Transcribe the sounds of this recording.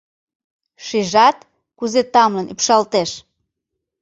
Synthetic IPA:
ʃiʒɑt̪ | kuzet̪ɑmlənypʃɑlt̪eʃ

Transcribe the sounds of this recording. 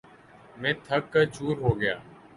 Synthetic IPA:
mẽːt̪ʰəkːəd͡ʒuːɾɦoːɡɪja̰ː

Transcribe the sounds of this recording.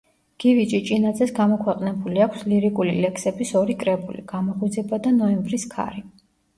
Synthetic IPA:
ɡ̥ivit͡ʃʼit͡ʃʼinad̪zɛsɡamɔkʰwɛqʼnɛbuliakʷʰsliɾikʼulḭlɛksɛbisɔɾikʼɾɛbulḭɡ̥amɔχud̪zɛbad̪anɔɛmbɾiskʰa̰ɾi

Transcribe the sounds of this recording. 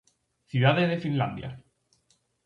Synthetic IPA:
θjuðaðezðefinla̰nd̪ja̰

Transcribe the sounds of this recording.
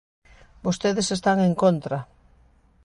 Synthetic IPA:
bost̪eðesest̪aŋeŋkont̪ɾɐ

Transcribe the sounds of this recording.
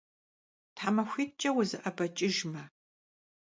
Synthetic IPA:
tʰħamɐxʷiːt̚t͡ʃʼɐwʊzɨʔɐbɐt͡ʃʼɪʒmɐ

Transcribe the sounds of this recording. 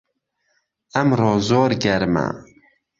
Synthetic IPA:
ɛmrɔːzoːɾɡɛɾmæ̰

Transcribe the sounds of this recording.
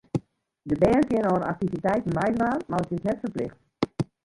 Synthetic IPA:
dəbɛːrkjɪənoəna̰k̚tivitɛjtn̩majdraːnmarətɪsnɛtfərplɪxt

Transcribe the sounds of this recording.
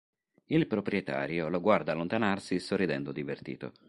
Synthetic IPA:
ilpɾopɾijet̪a̰ːɾjoloɡward̪aːlːont̪anarsisorːid̪ɛnd̪od̪ivert̪ḭːt̪o̰

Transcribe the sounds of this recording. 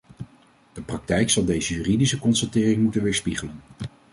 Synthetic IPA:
d̥əprɑk̚tɛjksɑlˠdejzəjyːridisəkɔnsatɪːrɪŋmutənʋɪːɹspiχələn

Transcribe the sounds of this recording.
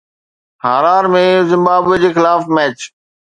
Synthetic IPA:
haːɾaːɾmẽzɪ̃mbaːbed͡ʑeːxɪlaːfmɛːt͡ɕ

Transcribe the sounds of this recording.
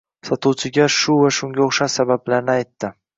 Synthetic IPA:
sɒt̪ʰuwt͡ʃʰɪɡʲaʃʊvaʃʊŋɡʲaoχʃaʃsabablaɾnɪajt̪ʰːɪ

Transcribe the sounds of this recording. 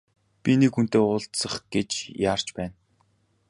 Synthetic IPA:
pʲinekxun̥t̪eːʊːɬt̪sə̆χɡ̥et͡ɕjaːr̥t͡ɕpæːn

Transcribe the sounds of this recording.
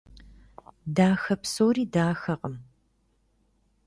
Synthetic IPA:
daːxɐpsoːriːdaːxɐqʼəm

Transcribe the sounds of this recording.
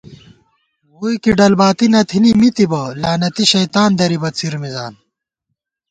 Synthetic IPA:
wuːjkiɖɐlbaːt̪inɐt̪ʰinimit̪ibɐlaːnɐt̪iɕɐjt̪aːnd̪ɐɾibɐt͡sʰiɾmizaːn

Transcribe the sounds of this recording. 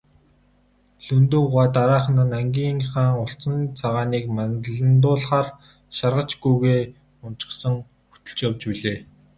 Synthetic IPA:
ɮɵnt̪uŋʁaːt̪aɾaːχnănaŋɡʲiːŋχaːŋʊɬt͡sə̆nt͡sʰaʁaːniːkmanɮə̆nt̪̬ʊːɮχaːr | ʃarʁə̆t͡ɕɡujɣeː | ʊn̥t͡ɕɪ̥̆χsə̆ŋ | xu̥t̪ɵ̆ɮt͡ɕjawt͡ɕpiɮeː

